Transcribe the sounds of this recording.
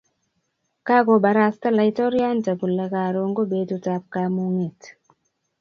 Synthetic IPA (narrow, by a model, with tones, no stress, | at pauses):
ka˦ko˨ba˨ɾa˨sta˦la˨i˦tɔ˦ɾja˦nta˨ku˨la˨ka˨ɾo˨ŋɡo˦be˨to˨ta˨p̚ka˨mu˦ŋe˨t